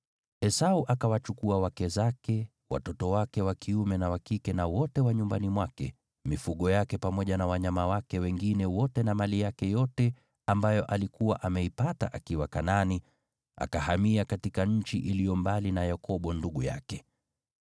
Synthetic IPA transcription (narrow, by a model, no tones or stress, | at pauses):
ɛsauʔakawat͡ʃukuawakɛzakɛ | wa̰tɔtɔwakɛwakʰiumɛnawakikɛnawɔtɛwaɲumbanimwakɛ̰ | mifuɠɔjakɛpamɔʄanawaɲamawakɛwɛŋɡinɛwɔtɛnamalijakɛjɔtɛ | ambajɔʔalikuwaʔamɛipata̰ʔakiwakanani | a̰kahamiakatikaɲ̩t͡ʃiʔilijɔmbalinajakɔɓɔnduɠuja̰kɛ